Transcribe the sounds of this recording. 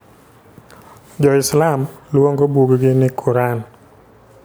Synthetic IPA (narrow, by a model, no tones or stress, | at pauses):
d͡ʒɔɪslamlwoŋɡobuɡɡɪnɪkʰuɾan